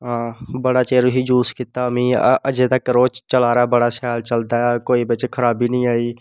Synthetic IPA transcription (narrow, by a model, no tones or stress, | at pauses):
ɦãbəɽat͡ʃeːɾoɦid͡ʒuːskɪt̪aəmiəd͡ʒet̪əkɾoːt͡ʃt͡ʃəlaːɾaɛbəɽasaːlt͡ʃəld̪aɦɛkoːibet͡ʃkʰəɾaːbinəĩaːi